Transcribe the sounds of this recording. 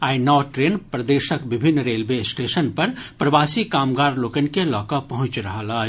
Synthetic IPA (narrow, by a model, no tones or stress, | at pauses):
aːinɔːʈɾeːnpɾɐd̪eːʃəkbɪbʱɪnːɾeːlʋesʈeːʃənpɐɾpɾɐʋaːsikaːmɡaːɾloːkənkelɔːkapɐɦʊ̃t͡ʃɾɐɦalaː